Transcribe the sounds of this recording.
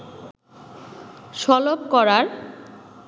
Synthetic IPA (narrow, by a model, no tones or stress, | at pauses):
ʃɔlopkɔɾaɾ